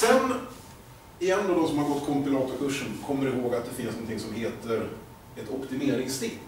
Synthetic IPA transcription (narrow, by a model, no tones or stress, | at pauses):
sɛn | ɪɛnːɔd̪ɔsɔmhaɾɡɔt̪ːkʰɔmpɪlɑːt̪ɔkʰɵʂːənkʰɔmːəɾɪhoːɡat̪̚d̪ɛfɪnsnɔnt̪ʰɪŋsɔmɦeːt̪əɾ | ɛt̪ɔpt̪ɪmeːɾɪŋst̪ɪ